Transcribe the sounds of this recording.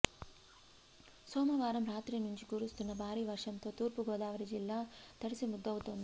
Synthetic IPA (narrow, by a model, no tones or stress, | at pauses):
soːmɐʋaːɾɐmɾaːt̪ɾinuɲt͡ʃikuːɾust̪unːɐbʱaːɾiʋɐɾʂɐnt̪oːt̪uːɾpuɡoːd̪aːʋɐɾid͡ʒilːat̪ɐɽisimud̪ːɐʋut̪ond̪u